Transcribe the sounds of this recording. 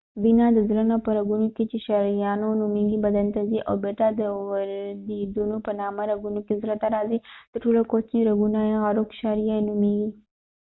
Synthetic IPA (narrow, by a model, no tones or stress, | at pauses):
binɑd̪əzlənapəɾaɡunoket͡ʃeʃɑɾijɑnonumeɡibad̪ant̪aziʔa̰wbeʈad̪əwdid̪unopənɑmaɾaɡunokezɾat̪aɾɑzid̪̥əɾʈolakot͡ʃniɾaɡunajeɣaɾokʃɑɾijaenumeɡi